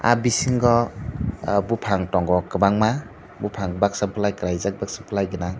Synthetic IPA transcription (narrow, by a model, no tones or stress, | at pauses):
a̰bisiŋɡɔ | bupʰaŋtɔŋɡɔkɯbaŋma | bupʰaŋɡbak̚sampʰlajkɾajzak̚baksampʰlajɡɯna